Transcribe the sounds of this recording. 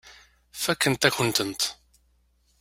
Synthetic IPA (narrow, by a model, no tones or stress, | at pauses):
fækːənt̪æçənt̪ənt̪